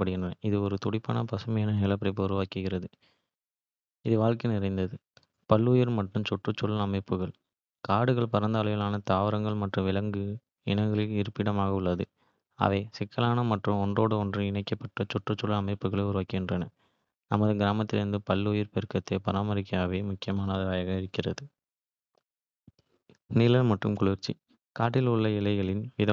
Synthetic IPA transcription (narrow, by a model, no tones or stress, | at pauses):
ɐpːɐɽɪɣɪndrɐnɐɪðɯɔɾɯt̪ɔɽɪpːɐ̰ːnɐpɐsɯmɐjaːnɐɦɛlɐp̬ɪɾɐɪp̬ːɯʊɾɯʊʋaːkɯɣɪɾɐðɯ | ɪðɯʋaːɻkenɪɾɐɪnd̪ɐðɯ | pɐlːʊjɪɾmɐʈrɯmt͡ʃɔʈrɯt͡ʃːɔlɐɐmɐɪpːɯɣɐɭ | kaːɽɯɣɐɭpɐɾɐnd̪ɐːlɐʋɪlaːnɐt̪aːʋɐɾɐŋɡɐɭmɐʈrɯʋɪlɐŋɡɯ | ɪɳɐŋɡɐɭɪlɪɾɯpːɪɽɐmaːɣɐʊɭːɐðɯ | a̰ːʋeːsɪkːɐlaːnɐmɐʈrɯmɔndroːɽɯɔndrɯɪɳɐɪkːɐpːɐʈːɐt͡ʃɔʈːrɯt͡ʃːɔlɐɐmɐɪpːɯɣɐɭɐʊɾɯʋaːkːɪndrɐnɐ | nɐmɐðɯɡɪɾaːmɐt̪ːɪlɪɾɯnd̪ɯpɐlːʊjɪɾpɛɾɯkːɐt̪ːɐpɐɾaːmɐɾɪkːɐjaːʋeːmʊkːɪjɐmaːnɐðɐʋɐːjɐɣɐɪɽɪkːɪrɐðɯ | nɪlɐlmɐʈːrɯmkʊɭɪɾt͡ʃːḭ | kaːʈːɪlʊɭːɐɪlɐɪɣɐɭɪnʋɪðɐ